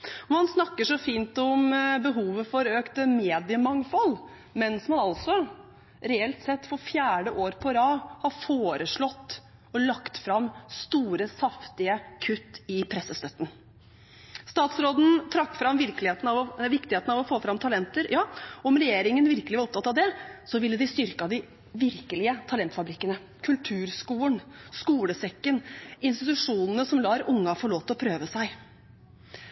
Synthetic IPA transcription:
ɔmɑnsnɑkːəʂɔfiːnt̪ɔmbəɦuːʋəfɔɾøːkt̪əmeːd̪ɪəmɑŋfɔl | mɛnsmɑnɑlsɔ | ɾɛɛlt̪sɛt̪ːfɔɾfjæːɖəʔoːɾpʰɔɾɑːhɑɾfoːɾəʂɭɔt̪ː | ɔlɑkt̪fɾɑmst̪uːɾəsɑft̪ɪəkʰʉt̪ːɪpʰɾɛsːəst̪œt̪ːən | st̪ɑːt̪sɾoːd̪n̩t̪ʰɾɑkːfɾɑmʋɪɾkəlɪheːt̪n̩ɑʋɔʋɪkt̪ɪheːt̪nɑʋɔfoːfɾɑmt̪ʰɑlɛnt̪əɾjɑːɔmɾɛjeːɾɪŋənʋɪɾkəlɪʋɑɾɔp̚t̪ʰɑt̪ːɑʋd̪ɛsɔʋɪlːəd̪ɪst̪ʏɾkɑd̪ɪ | ʋɪɾkəlɪət̪ʰɑlɛnt̪fɑbɾɪkːənə | kʰʉlt̪ʰʉːɾskuːənskuːləsɛkːənɪnst̪ɪt̪ʉʂuːnənəsɔmlɑːɾʔʊŋːɑfɔɭoːt̪ɔpʰɾøːʋəsæɪ

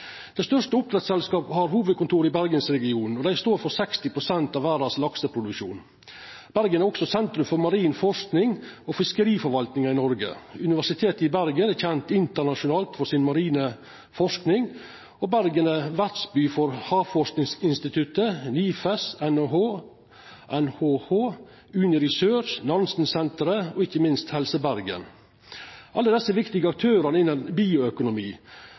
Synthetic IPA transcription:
d̪̥ɛɪst̪œʂtəʊp̚t̪ɾɛt̪sɛlskɑːpəhɑɾhuːʋəd̪̚kʰʊnt̪ʰuːɾɪbæɾɡənsɾɛɡɪuːnɔd̪æɪst̪oːɾfɔɾsɛkst̪ɪpʰɾʊsɛnt̪ɑːʋæːɾɑslɑksəpʰɾʊd̪ʉkʃṵːn | b̥æɾɡənæɾɔksɔsɛnt̪ɾʉmfɔɾmɑɾiːnfɔʂknɪŋɔfɪskəɾiːfɔɾʋɑlt̪nɪŋɑɪnɔɾɡə̰ʉnɪʋæʂɪt̪ʰeːt̪əɪbæɾɡənæçɛnt̪ɪnt̪əɳɑʂʊnɑːlt̪fɔɾsɪnmɑɾiːnə | fɔʂknɪŋ | oːbæɾɡənəʋæɾʈ̪sbyːfɔɾhɑːfɔʂknɪŋsɪnst̪ɪt̪ʰʉt̪əniːfɛsɛnoɦoː | ʔɛnhoːhoː | ʉːnɪɾɪsøːʃnɑnsn̩sɛnt̪əɾəoɪçəmɪnst̪hɛlsəbæɾɡə̰n | ʔɑlːəd̪ɛsːəʋɪkt̪ɪɡəɑk̚t̪ʰøːɾɑnəɪnːənbiːʊœkʊnʊmiː

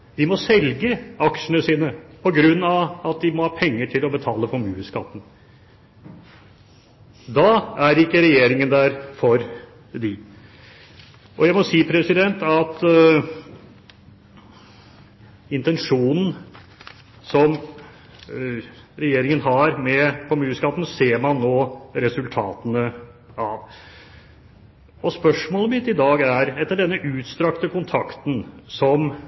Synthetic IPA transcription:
d̪ɪmɔsɛlɡəɑkʂənəsiːnəpʰɔɡɾʉnːɑʋɑt̪̚d̪ɪmɔhɑːpʰɛŋːəʈʰɪlɔbət̪ʰɑːləfɔɾmʉːəskɑt̪ːn̩ | d̪ɑæɾɪkːəɾɛjeːɾɪŋənd̪æɾfɔɾ | d̪ɪ | ʔɔjæɪmɔsiːpʰɾɛsɪd̪ɛnt̪ɑt̪ | ɪnt̪ɛnʂuːnn̩ | sɔm | ɾɛjeːɾɪŋənɦɑɾmɛpʰɔmʉːskɑːt̪n̩seːɾmɑnːoːɾɛsʉlt̪ʰɑːt̪ənəɑʋ | ɔspœʂmoːləmɪt̪ːɪd̪ɑːɡæɾɛt̪ːəɖɛnːəʔʉːt̪st̪ɾɑkt̪əkʊnt̪ʰɑkt̪n̩sɔm

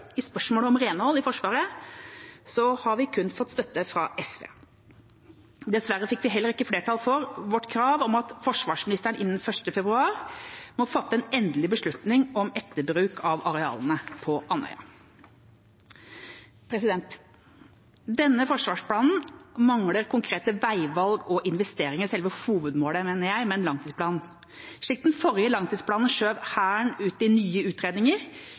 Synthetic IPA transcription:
ɪspœʂmoːləɔmɾeːnəhɔlːɪfɔʂʋɑːɾə | sɔhɑɾʋɪkʰʉnːfɔt̪ːst̪œt̪ːəfɾɑ̰ʔɛsʋḛː | d̪ɛsʋæɾəfɪkːʋɪɦɛlːəɾɪkːəfleːʈʰɑːlfɔɾʋɔʈːkʰɾɑːʋɔmɑt̪fɔʂʋɑːʂmɪnɪst̪əɾəɳʔɪnːən̩fœʂʈəfɛbɾʉɑːɾmɔfɑt̪ːəɛnɛnd̪lɪbəʂɭʉt̪nɪŋɔmɛt̪ːəbɾʉːkʰɑʋɑɾɛɑ̰ːlnəpʰɔʔɑnœ̰ʏɑ̰ | pʰɾɛsɪd̪ɛnt̪ | d̪ɛnːəfɔʂʋɑːʂpʰlɑːnn̩mɑŋləɾkʰʊŋkʰɾeːt̪əʋæɪʋɑlɡɔʔɪnʋɛst̪eːɾɪŋəɾsɛlʋəhuːʋəd̪moːləmeːnəjæɪmɛɛnlɑŋt̪ʰiːspʰlɑːn | ʂɭɪkt̪n̩fɔɾjəlɑŋt̪iːd̪spʰɽɑːnnʂøːʋhæːɳʉːt̪ɪnyːəʉːt̪ɾeːd̪nɪŋəɾ

